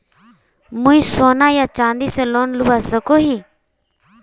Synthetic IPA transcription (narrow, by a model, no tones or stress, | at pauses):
mũĩːsoːnaːjaːt͡ʃãːnd̪iːsẽːloːnlʊʋaːsəkoːɦiː